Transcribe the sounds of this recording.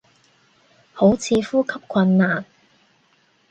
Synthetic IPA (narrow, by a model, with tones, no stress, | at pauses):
ho˨˥wt͡sʰiː˨˧fuː˥kʰɐ˥p̚kʷʰɐ˧nːaː˨˩n